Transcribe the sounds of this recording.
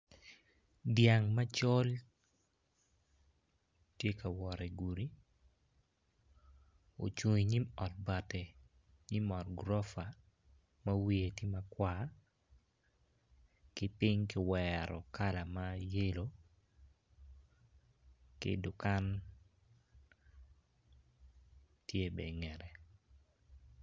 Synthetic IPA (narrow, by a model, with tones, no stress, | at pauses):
dja˨ŋma˦t͡ʃo˦l | tje˦ka˨wɔ˨ɾɛ˨ɡu˨ɾi˦ | o̰˨t͡ʃu˨ɲi˨ɲi˦mɔ˨t̚ba˨te˨ | ɲi˦mɔ˨tɡɾɔ˦fa˨ | ma˦wi˦e˨ti˦ma˦kwa˨ | kɪ˦pɪ˦ŋkɪ˦wɛɾɔ̰˨ka˦la˨ma˦je˦lo˦ | kɪ̰˦dʊ˨ka˦n | tʰje˦be˨ŋɛ˨ɾɛ˨